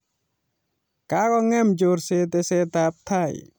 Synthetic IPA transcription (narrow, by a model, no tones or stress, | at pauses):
kakɔŋɛmd͡ʒoɾset̪ɛsɛt̪ap̚t̪ʰaj